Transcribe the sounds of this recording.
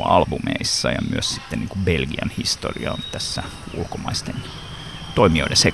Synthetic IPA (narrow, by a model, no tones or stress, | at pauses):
ɑlbumḛisːɑjɑmyøssit̪ːenniːŋkubelɡiɑnhist̪o̰rḭɑont̪æsːæ | ulkomɑist̪en | t̪oimioidese